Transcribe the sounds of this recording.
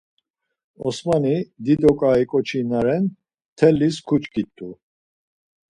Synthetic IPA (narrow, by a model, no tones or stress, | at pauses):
ɔ̰smanid̪id̪ɔkʼaikʼɔt͡ʃʰinaɾɛn | t̪ʰɛlːis̬kʰut͡ʃkʰʼit̪ʼːu